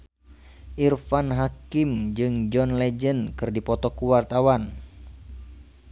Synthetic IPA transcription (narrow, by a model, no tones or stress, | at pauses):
ʔirfanɦakimd͡ʒɨŋd͡ʒɔnlɛd͡ʒənkɨrdipɔt̪ɔkuwart̪awan